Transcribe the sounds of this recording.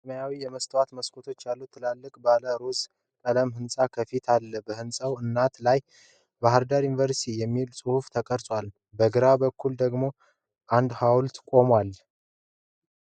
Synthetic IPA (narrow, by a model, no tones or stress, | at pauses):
sməjawijɛməst̪ʰəwat̪məskʰo̞t̪ʰo̞t͡ʃːjalːut̪ʰːɨlalːɨkʼbaləɾoz | kʼələmhɨnsʼakʰəfit̪ʰalːəbəhɨnsʼəwɨnːat̪laj | baɦəɾd̪aɾjunvəɾst̪ʰijɛmːilsʼɨhuft̪ʰəkʼəɾsʼwal | bəɡɨɾabəkʰːuld̪əɡmo̞ | ʔand̪hawlt̪kʼo̞mwal